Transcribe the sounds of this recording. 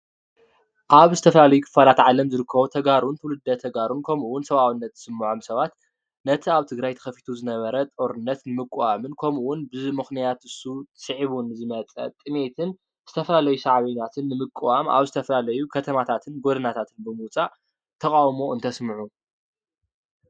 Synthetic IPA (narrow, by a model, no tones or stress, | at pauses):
ʔaβzɨt̪ʰɐflalɐjukʰɨ̥falat̪ʕalɐmzɨɾɨkʰːɐβot̪ʰɐɡaɾunt̪ʰɨwlɨd̪ːɐt̪ʰɐɡaɾunkʰomuwʊnsɐβawɨnːɐt̪zɨ̥sɨmːʕomsɐβat̪ | nɐt̪ʰiaβt̪ʰɨɡɾajt̪ʰɐ̥xɐfi̥t̪ʰuzɨnɐβɐɾɐt̪ʼoɾɨnːɐt̪nɨmɨkʼːwamɨnkʰomʔuwʊnbɨmɨxnijat̪ɨsusʼɨʕiβunɨzɨmɐt͡sʼɐ̰t̪ʼɨme̞t̪ʰɨn | z̥ɨt̪ʰɐfɐlalɐjusaʕβɐɲat̪ʰɨnːɨmɨkʼːuwama̰βzɨt̪ʰɐfɐlalɐjukʰɐt̪ʰɐmat̪ʰat̪ʰɨnɡo̞d̪ɨnat̪ʰat̪ʰɨnbɨmɨwt͡sʼaʔ | t̪ʰɐkʼawmo̞ɨnt̪ʰɐsmɨʕu